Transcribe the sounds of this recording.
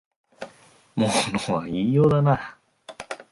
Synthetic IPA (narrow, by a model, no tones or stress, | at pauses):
moːnoːβaijoːd̪ana